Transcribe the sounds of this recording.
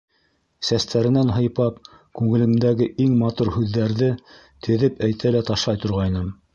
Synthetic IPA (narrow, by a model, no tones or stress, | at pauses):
sæst̪æɾɘ̆nænɦɤ̆jpɑp̚ | kʉŋɘ̆lɘ̆md̪æɡɘʔiŋmɑt̪uɾhʉðːæɾðɘ | t̪ʰɘ̆ðɘpæjt̪ʰælæt̪ɑʃlˠɑjt̪ŏɾʁɑjnɤm